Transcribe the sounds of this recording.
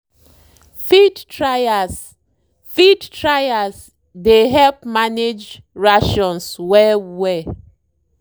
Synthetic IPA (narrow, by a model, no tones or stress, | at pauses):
fidtɹajas | fidɹajas | deɦɛlpmaned͡ʒ | ɹaʃɔ̃nswɛwɛ